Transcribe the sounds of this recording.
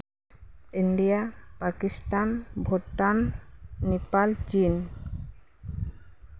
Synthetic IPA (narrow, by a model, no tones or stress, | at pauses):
iɳɖijapakist̪anbʱoʈːanː | epalt͡ɕin